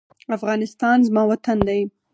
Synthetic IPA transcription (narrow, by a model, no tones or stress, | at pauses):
afɣɑnɪst̪ɑnzmɑwat̪and̪aj